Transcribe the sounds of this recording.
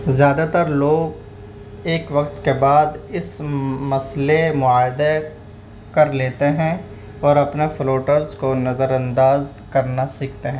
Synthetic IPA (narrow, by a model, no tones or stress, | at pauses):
zjaːd̪at̪əɾloːɡ | eːkʋɐkt̪kebaːd̪ɪsmɐslemʊaːjd̪e | kɐɾleːt̪eɦɛ̃ | ɔːɾɐpnefloːʈəɾzkonɐzəɾɐ̃nd̪aːz | kɐɾnasɪk̚ʰt̪eɦɛ̃ː